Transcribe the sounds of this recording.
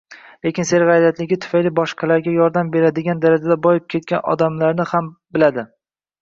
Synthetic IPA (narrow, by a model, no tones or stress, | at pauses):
le̞kʲɪnse̞ɾʁajlat̪lɪɡʲɪt̪ʰʊ̥fajlɪbɒʃqʰɑlaɾɡʲajɒɾd̪ambe̞ɾad̪ɪɡʲand̪aɾad͡ʒad̪abɒjɪp̚kʲʰe̞t̪̚kʲanɒ̰d̪amlaɾnɪhambɪlad̪ɪ